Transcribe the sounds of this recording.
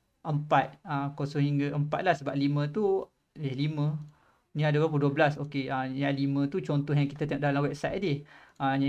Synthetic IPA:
ʔəmpat̪̚akosəɦiŋɡaʔəmpa̰t̪̚lahsəbaʔ̚limə̃t̪u | lɪhlimə̃ | nĩadawap̬uduəbəlasokeajãlimə̃t̪ut͡ʃɔnt̪ɔɦjaŋkit̪at̪ẽŋɔʔ̚dalamwɛp̚sajʔ̚dɪhaɲã

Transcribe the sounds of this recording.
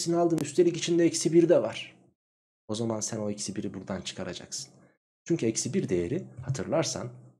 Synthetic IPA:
sinialˠd̪ɯːnyst̪ʰelʲicit͡ʃʰind̪ɛɛcsibiɾd̪ɛvaɾ̥ | o̞zamansæno̞ecsibiɾibuɾd̪ant͡ʃʰɯ̥kʰaɾa̰d͡ʒa̰ksɯ̥n | t͡ʃʰyɲcʰyɛcsibiɾd̪e̞jeɾihat̪ʰɯɾlˠaɾsa̰n

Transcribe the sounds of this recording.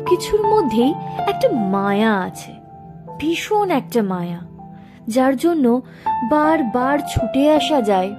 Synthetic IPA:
kit͡ɕʰuɾmod̪ʱːejɛk̚ʈamajaat͡ɕʰe | bʱiʃonɛk̚ʈamaja | d͡ʑaɾd͡ʑonːo | baɾbaɾt͡ɕʰuʈeaʃad͡ʑae

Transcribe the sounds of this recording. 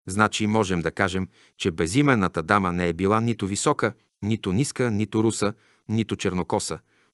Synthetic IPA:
znat͡ʃimɔʒɛmd̪ɐkaʒɛm | t͡ʃɛbɛzimɛnːət̪əd̪amənɛɛbilˠanit̪ʊvisɔkə | nit̪ʊniskənit̪ʊɾusə | nit̪ʊt͡ʃɛɾnokɔsə

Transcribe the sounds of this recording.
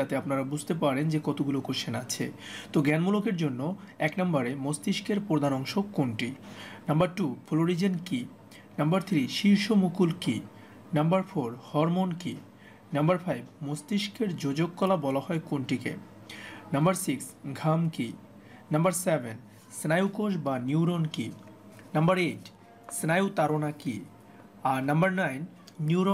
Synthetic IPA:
at̪eapnaɾabud͡ʑʱt̪epaɾend͡ʑekɔt̪ʰoɡulokoʃenat͡ɕʰḛt̪oɡɛnmulokeɾd͡ʑonːo | ɛknambaɾemost̪iʃkeɾpɾod̪ʱanɔŋʃokoɳʈinambaɾʈufʰoloɾid͡ʑenki | nambaɾt̪ʰɾiʃiɾʃomukulki | nambaɾfoɾhɔɾmonki | nɐmbaɾfajbmost̪iʃkeɾd͡ʑod͡ʑokːɔlabɔlaɦɔekonʈikḛ | nɐmbaɾsiksɡʱamki | nɐmbaɾsebʱen | snajukoʃ̬banjuwɾonki | nɐmbaɾeʈ | snajut̪aɾonaki | anɐmbaɾnajnː | uuɾo

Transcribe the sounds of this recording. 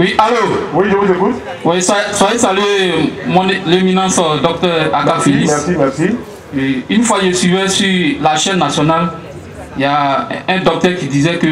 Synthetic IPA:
wialowidokũzekut̪ | wɛsasajesalemɔ̃nlemĩnãsɔd̪ɔk̚t̪ɛaɡalfelimɛsimɛsi | einfwajesivɛsylaʃɛnːasjɔnal | ijaɛ̃d̪ɔk̚t̪ɛɾkid̪izɛkø

